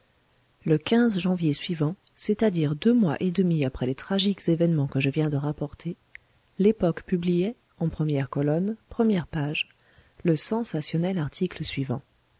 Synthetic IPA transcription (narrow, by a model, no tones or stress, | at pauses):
ləkʲɛ̃zʒɑ̃vjesɥivɑ̃ | set̪ad̪iʁd̪ømwa̰ʔed̪əmiapχɛlet̪χaʒikz̥evɛnmɑ̃kəʒəvjɛ̃d̪əʁapɔʁt̪ʰe | lepɔkpyblijɛ | ɑ̃pχəmjɛʁkɔlɔnpχəmjɛʁpaʒ | ləsɑ̃sasjɔnɛlaʁt̪ʰikləsɥivɑ̰̃